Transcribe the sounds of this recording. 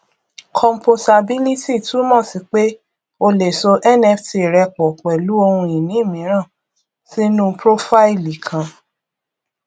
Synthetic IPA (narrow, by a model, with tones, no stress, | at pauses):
kʰɔ̃˨˧mpo˧ta˧bi˦li˦ti˦˨tu˨˦mɔ̃˦˨si˨k͡pe˦ | o˧le˨so˧ʔɛ˦˨nɛ˦fti˧˨ɾɛ˧k͡pɔ˨k͡pɛ˨lu˨˦o˧hũ˧i˨nĩ˨˦i˦˨mĩ˨˦ɾ̃ã˦˨ | si˦nũ˦pɾo˦fa˦i˦li˨kʰã˨˦